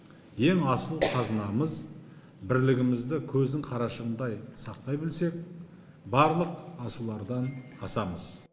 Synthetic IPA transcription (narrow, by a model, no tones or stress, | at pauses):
je̞ŋɑsəlˠqʰɑzənɑməz | bɪɾlɪɡʲɪmɪzd̪ɪkʲʰɵzd̪ɪŋqʰɑɾɑʃəʁənd̪ɑjsɑq̚t̪ɑjbɪlse̞k̚ | bɑɾlˠəqɑsulˠɑɾd̪ɑnɑsɑməz̥